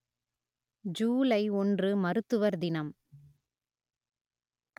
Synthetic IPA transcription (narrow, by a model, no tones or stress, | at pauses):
d͡ʒuːlɐɪɔndrɯmɐɾɯt̪ːɯʋɐɾd̪ɪnɐm